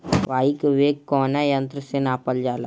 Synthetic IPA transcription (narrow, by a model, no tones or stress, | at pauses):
ʋaːikʋeːɡkɔːnajɐ̃nt̪ɾəsenaːpəld͡ʒaːla̰ː